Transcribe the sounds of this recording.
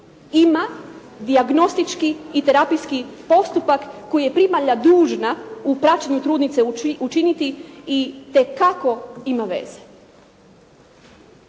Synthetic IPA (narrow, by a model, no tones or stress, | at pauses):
ima | d̪iaɡno̞st̪it͡ʃkiːt̪eɾapijskipo̞st̪upakːo̞jije̞pɾimaʎad̪uːʒnaupɾat͡ɕaɲut̪ɾuːd̪nit̪seut͡ʃinit̪iit̪e̞kako̞imaʋe̞̰z̥e